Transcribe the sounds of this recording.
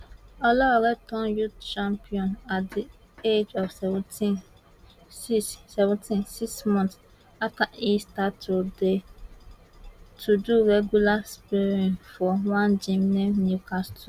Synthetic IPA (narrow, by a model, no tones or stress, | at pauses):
ɔlɔaɾɛtʰɔ̃njut̚t͡ʃãmpʰiɔ̃nadi | ed͡ʒɔfsɛṽtʰĩn | sissɛvʊ̃ntʰĩnsiksmɔ̃nts | akʰãistatʰude | tʰuduɾɛɡjulaspiɾĩnfɔwãnd͡ʒĩmnɛ̃njukʰastʰɔ̃